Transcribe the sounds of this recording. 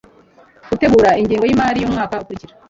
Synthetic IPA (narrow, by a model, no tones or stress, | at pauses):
ɡ̥ute̞ɡuːɾaiɲɟiːŋɡo̞jimaːɾijomŋaːkaukuɾiciɾḁ